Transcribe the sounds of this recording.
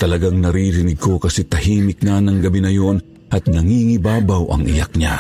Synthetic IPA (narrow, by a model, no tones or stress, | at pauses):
t̪ɐlɐɡaŋnɐɾiɾɪnɪɡ̚kʰo̞kɐsɛt̪ɐhiːmɪk̚nanɐŋɡɐbinɐjo̞n | ʔɐt̪̚nɐŋiŋɪbaːbawʔɐ̰ŋʔɪ̰ja̰k̚ɲa